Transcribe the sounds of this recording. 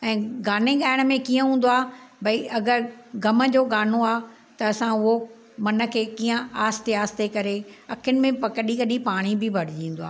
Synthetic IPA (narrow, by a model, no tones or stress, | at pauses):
ɛ̃ːɡaːneɠaːɪɽ̃mẽkiːə̃ɦũːn̆d̪oaːbʱɐiɐɡəɾɡɐmə̆d͡ʑoːɠaːnoaː | t̪ɐɐsãʊɦo | mɐnə̆kʰeːkiːə̃aːst̪eaːst̪ʰekɐɾeɐkʰʊnɪ̆mẽpɐkəɗikɐɗipaːɽ̃ibʱɪbʱɐɽ̤ɪd͡ʑĩːnd̪oa̰ː